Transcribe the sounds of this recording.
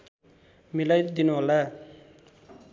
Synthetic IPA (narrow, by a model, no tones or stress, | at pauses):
milajd̪inuɦola